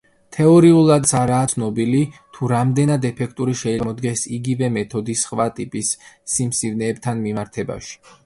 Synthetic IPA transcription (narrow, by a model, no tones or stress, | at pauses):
t̪ʰɛɔɾiulˠad̪saɾaːt̪sʰnɔbilit̪ʰuɾamd̪ɛnad̪ɛpʰɛk̚ʰt̪ʼuɾiʃɛɛmɔd̪ɡɛsiɡivɛmɛt̪ʰɔd̪isχvat̪ʼipʼisːimsivnɛːbt̪ʰanmimaɾt̪ʰɛba̰ʃi̥